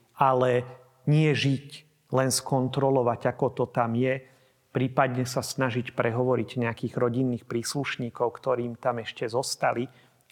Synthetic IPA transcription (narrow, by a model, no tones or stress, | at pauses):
alɛ | ɲɪɛʒic | lɛnskɔnt̪ɾɔlɔʋaɟakɔt̪ɔt̪amjɛ | pɾiːpad̪ɲɛsasnaʒicpɾʔɛɦɔʋɔɾiɟɲɛakiːɣɾɔɟinːiːxpɾiːsluʃɲiːkɔʊkt̪ɔɾiːmt̪amɛʃcɛzɔst̪ali